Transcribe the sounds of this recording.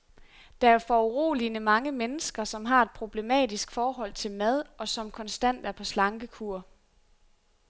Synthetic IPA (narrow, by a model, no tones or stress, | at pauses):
d̥ɑ̈æɐfɒuʁo̝̰ːlinəmɑ̈ŋəmenəsɡ̥ɐsɒ̽mɦɑ̈e̝d̥̚pʰʁo̝b̥le̝mɛ̰ːdisɡ̥fɒːɦɒ̽l̰t͡sʰe̝lmæð̞ˠɒ̽sɒ̽mkʰɒ̽nsd̥æn̰d̥æɐpʰɒ̽slɑ̈ŋɡ̥əkʰuɐ